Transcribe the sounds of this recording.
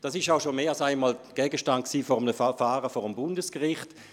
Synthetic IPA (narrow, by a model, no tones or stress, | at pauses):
d̥ɑːsɪʃaʊʃomeːalsaɪnmaːlɡ̥ɛːɡəʃtant̚ksiːfɔʁəmnəfaːʁəfɔːʁəmbʊndəskʁɪχt